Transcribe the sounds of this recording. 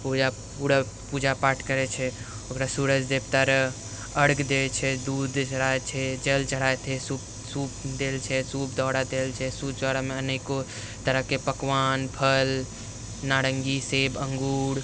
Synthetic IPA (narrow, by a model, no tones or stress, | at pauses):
pud͡ʒa | puɾa | pud͡ʒapaːʈʰkəɾɛt͡ʃʰɛ | okɾasuɾəd͡ʒd̪ebt̪əɾ | əɽɡd̪et͡ʃʰɛd̪ud̪t͡ʃəɽaet͡ʃʰɛd͡ʒəlt͡ʃəɽaet̪ʰɛsup | sup̚d̪elt͡ʃʰɛsup̚d̪ɔɽad̪elt͡ʃʰɛsub̚d͡ʒɔɾameəneko | t̪əɾəɦkepəkʋanpʰəl | naɽəŋɡisebəŋɡuːɽ